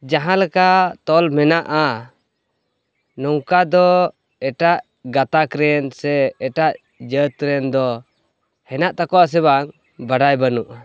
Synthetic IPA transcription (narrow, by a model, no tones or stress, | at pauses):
d͡ʒaɦãlɛkat̪ɔlmɛnaʔa | nɔwkad̪ɔ | ɛʈaʔ | ɡat̪akɾɛnsɛːʈaʔ | d͡ʒət̪̚kɾɛnd̪ɔ | hɛnaʔt̪akɔas̬ɛβaŋ | baɽajbanuʔa